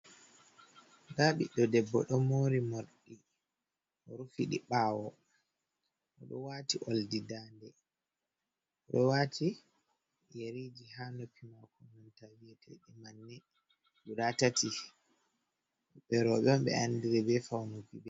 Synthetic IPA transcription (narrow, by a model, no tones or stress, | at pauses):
ɡaɓiɗɔdɛbːɔ̰ɗɔmoːɾimoɾɗi | ʔɔɾufiɗḭɓaːwɔ | ʔɔɗɔwatiʔoldidaːndɛ | ɔɗɔwatʰi | jeɾid͡ʒiɦanopʰimakɔnɔntavijɛtʰɛɗimanːɛ | ɡuɗatatʰi | ɓɛɾɔɓɛɔmɓɛ̰andiɾɛbɛfawnukibɛ